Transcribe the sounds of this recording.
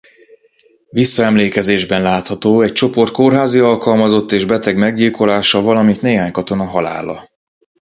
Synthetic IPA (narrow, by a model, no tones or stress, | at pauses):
visːɒɛmleːkɛzeːʒbɛnlaːt̪hɒt̪oːɛc̚t͡ʃo̞po̞rt̪̚ko̞rɦaːziɒlkɒlmɒzo̞t̪ːeːʒbɛt̪ɛɡmɛɡɟilko̞laːʃɒvɒlɒmint̪neːɦaːɲkɒt̪o̞nɒɦɒla̰ːlɒ̰